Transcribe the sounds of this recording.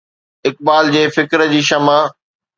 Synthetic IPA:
ɪk̚baːld͡ʑeːfɪkɾəd͡ʑiːʃɐma

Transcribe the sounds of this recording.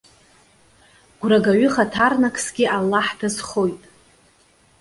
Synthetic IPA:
ɡ̥ʷraɡaɥʏχatʰarnakʰʼsɡ̥ʲɪʔalːaħdazχo̞jtʼ

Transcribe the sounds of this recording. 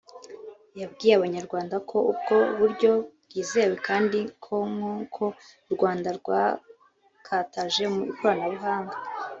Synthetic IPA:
jabɡiːɾaβaɲaɾɡwaːndakʰo̞ubɡo̞βuɾɟo̞bɡiːze̞we̞kaːndikʰo̞ŋukʰo̞ | ɾɡwaːndaɾɡwa | kʰataʒe̞mukoɾanaβuɦaːŋɡa

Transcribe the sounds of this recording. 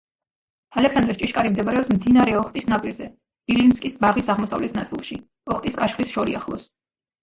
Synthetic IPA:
alɛksand̪ɾɛst͡ʃʼiʃkʼaɾimd̪ɛbaɾɛɔpsmd̪inaɾɛɔχt̪ʼisnapʼiɾzɛ | ilinskʼisbaʁisaʁmɔsa̰vlɛt̪ʰnat̪sʼilˠʃi | ɔχt̪ʼiskʼaʃχlisʃɔɾḭa̰χlˠɔ̰s

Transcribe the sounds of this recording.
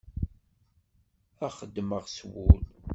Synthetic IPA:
æχəd̪ːməʁswʊl

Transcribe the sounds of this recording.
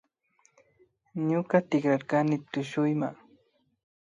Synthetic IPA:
ɲʊkat̪ɪkɾaɾkanɪt̪ʊʃʊjmaŋ

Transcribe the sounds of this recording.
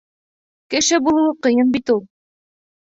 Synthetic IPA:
kɘ̆ʃɘbulˠɤ̆wɤqɤ̆jɤnbit̪ulˠ

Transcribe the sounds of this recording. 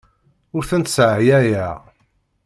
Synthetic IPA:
ʊɾθənt̪sʕjæjæ

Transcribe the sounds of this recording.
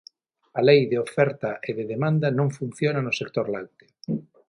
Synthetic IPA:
alejðeofɛɾt̪aʔeðeðemãnd̪anõŋfun̟θjonanosek̚t̪oɾla̰wt̪ɪ̥

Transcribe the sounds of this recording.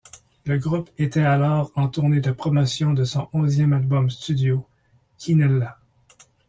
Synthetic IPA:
ləɡʁupet̪ɛalɔːʁɑ̃t̪uʁned̪əpχɔmɔsjɔ̃d̪əsɔ̃ʔɔ̃zjɛmalbɔmst̪yd̪jo | kʰʲinɛlːa

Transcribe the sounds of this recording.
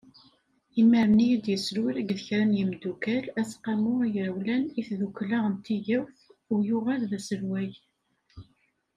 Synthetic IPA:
iməɾmnijid̪jəsɾiɾæɡðəçɾænjimd̪ukælæsqɑmʊijəɾwlæniθðukːlaʁənt̪iʝæwθʊjʊʁælðæsəɾwæj

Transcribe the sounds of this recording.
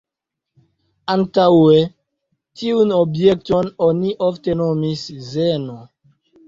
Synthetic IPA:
antawe | tiunobjek̚tononiʔoftenomiszeno

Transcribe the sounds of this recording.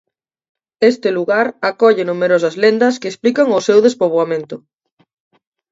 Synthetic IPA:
est̪ɪluɣaɾakɔʎɪnumeɾos̬ɐzlend̪ɐskeːsplikɐŋʊsewðespoβwamẽnt̪ʊ

